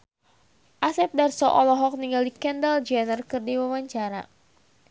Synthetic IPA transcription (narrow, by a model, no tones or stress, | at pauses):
ʔasɛp̚darsɔʔɔlɔɦɔk̚niŋɡaldikɛndald͡ʒɛnərkɨrdiwawaɲt͡ʃaɾa